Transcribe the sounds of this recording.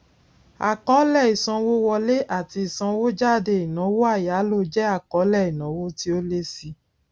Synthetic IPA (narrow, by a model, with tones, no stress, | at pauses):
a̰˨kɔ˨˦lɛ˦˨i˨sã˧wo˦wɔ˧le˦ʔa˦˨ti˧i˨sã˧wo˦d͡ʒa˦˨de˧˨i˨nã˨˦wo˦a˦˨ja˨˦lo˦˧˨d͡ʒɛ˦a˦˨kɔ˨˦lɛ˦˨i˨nã˨˦wo˦ti˦o˦le˦si˧